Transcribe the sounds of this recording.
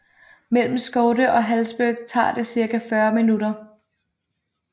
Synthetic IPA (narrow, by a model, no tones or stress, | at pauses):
mel̰m̩sɡ̥ɔʊd̥əʔɒ̽ɦælsb̥øɡ̥̚t͡sʰɑ̰̈ːd̥e̝siɐɡæfɶɐminuɾɐ